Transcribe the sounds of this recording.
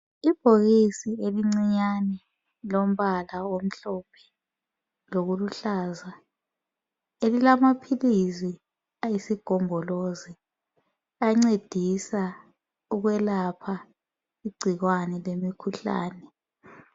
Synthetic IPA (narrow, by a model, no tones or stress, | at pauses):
ib̥ʱoɣisieliŋ͡ǀiɲanɛ | lom̩βalaom̩ɬɔpʰɛ̥ | loɣuluɬaːza | elilamapʰilizi | aisiɡ̥ʱɔmbʱɔlozi | aŋ͡ǀed̥ʱisa | uɣwɛlapʰa | iɡ͡ǀʱiɣwanɛlemikʰuɬa̰ːnɛ